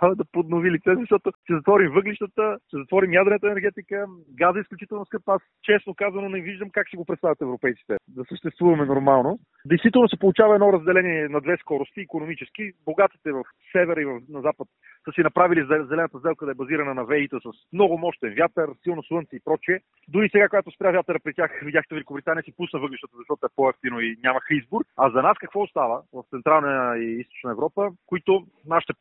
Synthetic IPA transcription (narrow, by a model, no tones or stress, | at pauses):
d̪ɐpod̪novilit̪sɛzzɐʃt̪ɔt̪oʃt̪ɛzɐt̪vɔɾimvɤɡliʃt̪ət̪əʃt̪ɛzɐt̪vɔɾimjad̪ɾnɛt̪əɛnɛɾɡɛt̪ikə | ɡazəisklʲut͡ʃit̪ɛlˠnoskɤpast͡ʃɛsnokazɐnonɛviʒd̪əmkakʃt̪ɛɡopɾɛt̪st̪avʲjɐt̪ɛvɾopɛjt̪i̥t̪ɛd̪ɐsəʃt̪ɛst̪vuvɐmɛnoɾmalˠno | d̪ɛjst̪it̪ɛlˠnosɛpolˠʊt͡ʃavɐɛd̪nɔɾɐzd̪ɛlɛniɛnɐd̪vɛskɔɾost̪iːkonomit͡ʃɛskiboɡat̪i̥t̪ɛvɐf | sɛvɛɾəivɐfnɐzapət̪ | səsinɐpɾavilizɛzɛlɛnət̪əzd̪ɛlˠkəd̪ɐɛbɐziɾɐnənɐvɛit̪əsɐsmnɔɡʊmɔʃt̪ɛnvʲjat̪əɾsilˠnoslˠɤnt̪siːpɾɔt͡ʃiɛ | d̪ʊɾisɛɡakoɡat̪ʊspɾʲavʲjat̪əɾəpɾɛt̪ʲaxvid̪ʲaxit̪ɛvɛlʲikobɾit̪aniəsipusnəvɤɡliʃt̪ət̪əzɐʃt̪ɔt̪ɛpoɛft̪inoinʲamɐxizbʊɾɐzɐnaskɐkvɔost̪avəvɐft̪sɛnt̪ɾalˠnəiist̪o̥t͡ʃnəɛvɾɔpəkoit̪o | naʃi̥t̪ɛ